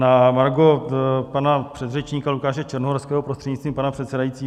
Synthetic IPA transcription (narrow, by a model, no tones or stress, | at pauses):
namaɾɡopanapr̥ɛd̪rɛt͡ʃɲiːkalukaːʃɛt͡ʃɛɾnoɦoɾskɛːɦopɾost̪r̥ɛdɲit͡st̪viːmpanapr̥ɛt̪sɛdajiːtt͡siː